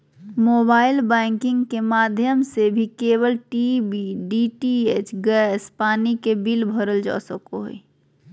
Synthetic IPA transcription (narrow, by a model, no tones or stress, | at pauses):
moːbaːɪlbɛ̃ːŋkɪ̃ŋɡkemaːd̪ʱjəmsebʱikeːwəlʈibiɖiːʈiet͡ʃɡɛːspaːnikebilbʱəɾəld͡ʒɔ̰ːsəkoɦo̰i